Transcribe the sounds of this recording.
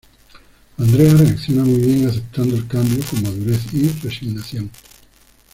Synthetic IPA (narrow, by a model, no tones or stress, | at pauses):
and̪ɾeareakθjonamujβjeŋaθ̬ep̚t̪ʰand̪oelkambjokoŋmaðuɾeθiresiɣnaθjoŋ